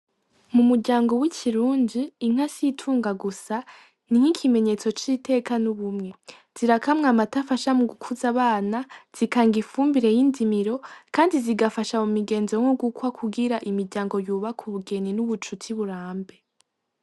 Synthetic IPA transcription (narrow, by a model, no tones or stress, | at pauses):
mumuɾɟaːŋɡo̞wicʰiɾuːndiːŋ̥asiitʰuːŋɡaɡusa | niŋ̥ikʰime̞ɲe̞t͡so̞t͡ʃiːte̞ːkanuβumŋe̞ | z̥iɾakʰamŋamatafaʃamuɡukʰuzaβaːnaz̥ikaːŋɡifuːmbiɾe̞jindimiɾo̞kaːndiziɡafaʃamumiɡe̞ːnzoŋ̥oɡukwakʰuɡiɾaʔimiɾɟaːŋɡo̞juːβakʰuβuɡe̞ninuβut͡ʃutʰiβuɾaːmbe̞